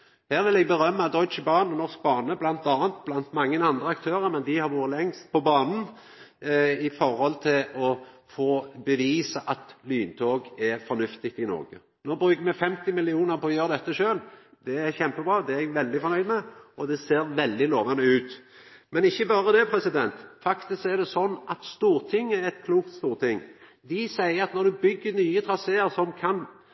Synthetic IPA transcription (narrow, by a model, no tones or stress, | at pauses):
hæːɾʋɪlɛɡbəɾœmːəɑd̪ɔʏt͡ʃbɑːnnɔʁsk̚bɑːnəblɑnt̪ɑːənt̪blɑnt̪mɑŋːənɑnd̪ɾəɑkt̪ʰøːɾəɾmɛnd̪ɪhɑɾʋuːɾəlɛŋst̪̚pʰɔbɑːnn̩ | ɪfɔɾhɔlt̪ʰɪlɔfoːbəʋiːsəʔɑt̪lyːnt̪ʰoːɡɛɾfɔnʉft̪ɪk̚t̪ɪnɔ̰ɾɡə | noːbɾʉːkəɾmɛfɛmt̪ɪmɪlɪuːnəɾpʰɔɔjøːʁəd̪ɛt̪ːəʃøːld̪ɛæɾçɛmpəbɾʁɑːd̪ɛɛɡʋɛld̪ɪfɔɾnœʏd̪mɛʔɔd̪ɛseːɾʋɛld̪ɪloːʋɑnəʉːt̪ | mɛnɪçːəbɑːɾəd̪ɛpʰɾɛsɪd̪ɛnt̪fɑkt̪ɪskæɾd̪ɛsɔnːʔɑt̪st̪uːɾt̪ʰɪŋːəɛt̪̚kʰluːkt̪st̪uːɾt̪ɪŋːd̪ɪsæɪəɾɑt̪nɔɾd̪ʉbʏɡːənyːət̪ʰɾɑseːəɾsɔmkʰɑn